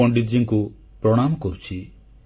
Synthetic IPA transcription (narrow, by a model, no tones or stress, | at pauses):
ɔɳɖid͡ʒiŋku | pɾɔɽ̃amɔkɔɾut͡ʃʰi